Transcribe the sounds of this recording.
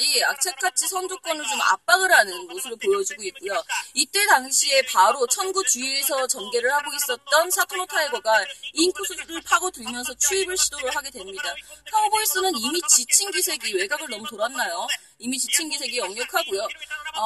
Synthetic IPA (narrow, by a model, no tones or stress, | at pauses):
iak̚t͡ɕʰek͈ʰat͡ɕʰisʰʌnd͡ʑok̚k͈wʌnɯɭt͡ɕoma̰p͈aɡɯɾɦanɯnmosʰɯɾoɭpojʌd͡ʑiɡoit̚k͈ujoit͈e̞taŋɕʰie̞paɾot͡ɕʰʌnɡut͡ɕuiesʰʌt͡ɕʌnɡe̞ɾɯɭhaɡois͈ʌt̚t͈ʌnsʰatʰomotʰaeɡʌɡainkʰusʰusɾɯɭpʰaɡotɯmjʌnsʰʌt͡ɕʰuibɯɭɕʰidoɾoɦaɡe̞dwemɲidapʰaɡoɡois͈ɯnɯnimit͡ɕit͡ɕʰinɡisʰe̞ɡiwe̞ɡaɡɯɭnʌmutoɾanːajo | imit͡ɕit͡ɕʰinɡisʰe̞ɡijʌŋɲjʌkʰaɡujo